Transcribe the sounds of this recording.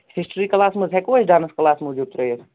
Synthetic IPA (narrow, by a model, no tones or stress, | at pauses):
hisʈɾiːklaːsməzʱɦɛkoːt͡ʃʰɖaːnəsklaːsmoːd͡ʒuːb̚t̪ɾəjəɾ